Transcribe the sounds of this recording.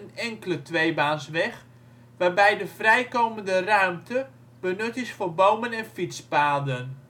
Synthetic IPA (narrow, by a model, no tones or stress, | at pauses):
ənɛŋkələtʋejbaːnsʋɛx | ʋaːrbɛjdəfrɛjkowməndərœɥmtə | b̥ənɵtɪsforbowmənɛnfitspaːdən